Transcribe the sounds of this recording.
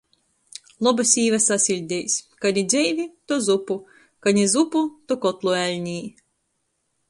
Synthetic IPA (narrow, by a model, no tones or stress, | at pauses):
lˠɔbasʲiːvasasʲilʲd̪ʲejsʲkanʲid̪zʲɛjvʲit̪ɔzupu | kanʲizuput̪ɔkɔt̪lˠuælʲnʲiː